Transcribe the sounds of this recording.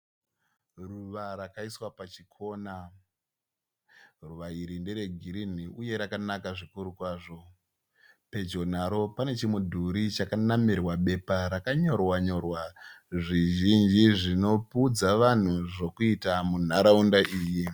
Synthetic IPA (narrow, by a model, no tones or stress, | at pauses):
ruʋaɾakaiswapat͡ʃikʰo̞ːna | ruʋaiɾinde̞ɾe̞ɡʱiɾin̤iʔuje̞ɾakanakaʐikuɾukwaːʐo̞ | pe̞d͡ʒo̞n̤aɾo̞pane̞t͡ʃimudʱuɾit͡ʃakanamirwaɓe̞paɾakaɲo̞rwaɲo̞rwaʐiʒind͡ʒiʐino̞pud͡zaʋan̤uʐo̞kuitamun̤aɾaundaʔiːji